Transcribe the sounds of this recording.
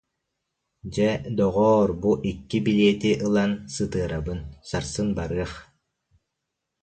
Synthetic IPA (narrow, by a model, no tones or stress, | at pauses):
d͡ʑɛd̪ɔʁɔːɾbuʔikːibiliɛt̪iʔɯlˠansɯt̪ɯɐɾabɯnsaɾsɯnbaɾɯɐχ